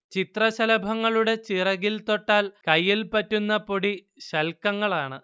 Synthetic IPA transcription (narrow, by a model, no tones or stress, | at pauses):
t͡ɕit̪rɐɕɐlɐbʱɐŋːɐɭuɽe̞t͡ɕirɐɣilt̪o̞ʈːaːlkɐjːilpɐtːunːɐpo̞ɽi | ɕɐlkɐŋːɐɭaːɳɨ